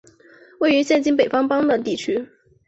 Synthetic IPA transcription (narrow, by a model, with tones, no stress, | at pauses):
we˥˩ɪy˧˥ɕjɛ˥˩nt͡ɕi˥npe˨˩ɪfɑ˥ŋpɑ˥ŋd̪ə˨t̪i˥˩t͡ɕʰy˥